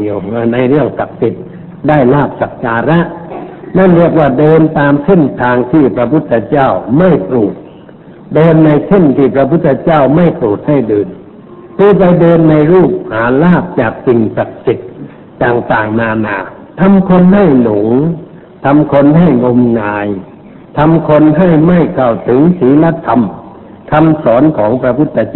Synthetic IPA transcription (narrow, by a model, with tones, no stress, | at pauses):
wna˧jɾɯ˥˩əŋsa˨˩k̚si˨˩t̪̚ | daː˥˩jlaː˥˩p̚sa˨˦˩k̚kaː˧ɾa˦˥ʔna˥˩nɾi˥˩ək̚waː˧˩dɤː˧nt̪aː˧mse˥˩nt̪ʰaː˧ŋt̪ʰiː˧˩pɾa˧pʰu˧˥˩t̪ʰːɛ˧t͡ɕaː˥˩wma˥˩jpɾuː˨˩t̪̚ | dɤː˧nːa˧jsʰe˥˩nt̪ʰiː˧˩pɾa˧pʰu˥˩t̪ʰːɛ˧t͡ɕaː˥˩wma˥˩jpɾuː˨˩t̪̚ha˥˩jdɤː˧n | p̪ɯː˧˩p̬a˧jdɤː˧nːa˧jɾuː˥˩p̚haː˩˦laː˥˩p̚t͡ɕaː˨˩k̚si˨ŋsa˨˧˩k̚si˨˩t̪̚ | t͡ɕaː˨˩ŋt̪aː˨˩ŋnaː˧naː˧˩ | t̪ʰa˧mkʰo˧nɦa˥˩jlo˨˩˦ŋ | t̪ʰa˧mkʰo˧nɦa˥˩jŋo˧mŋaː˧j | t̪ʰa˧mkʰo˧nɦa˥˩jma˥˩jkʰa˧˩wt̪ʰɯ˨˦ŋsiː˨˦la˧˥t̪ʰa˧m | t̪ʰa˧msɔː˩˦nkʰɔː˩˦ŋpɾa˧pʰu˧˥t̪ʰːa˧t͡ɕː